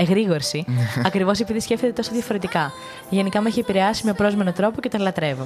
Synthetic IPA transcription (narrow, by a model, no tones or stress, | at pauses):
eɣɾiɣo̞ɾsiɐkɾivo̞s̬epiðisce̞ft̪et̪et̪osoðjʝɐfo̞ɾe̞t̪ikɐ | ʝe̞nikɐmeçiepiɾe̞ɐsimepɾo̞zme̞no̞t̪ɾo̞po̞cet̪onlɐt̪ɾe̞vo̞